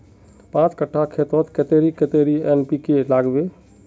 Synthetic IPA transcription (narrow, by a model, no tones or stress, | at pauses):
pãt͡ʃkəʈʰːakʰet̪ɔt̪ket̪eɾiket̪eɾienpikelaːɡbe